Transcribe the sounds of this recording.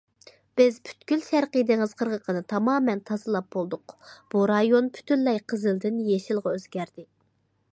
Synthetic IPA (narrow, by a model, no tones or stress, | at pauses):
b̥ɪzpʰy̥t̪kʲylʃæɾqəd̪ɨŋɨz̥qʰəɾʁəqʰənɨt̪ʰɑmɑːmɛnt̪ʰɑzɨlˠɑp̚bolˠd̪ʊqb̥uɾɑjonpʰy̥t̪ʰynlːɛjqʰəzɨlˠd̪ɪnjeʃɪlˠʁɑøzɡʲæɾd̪ɪ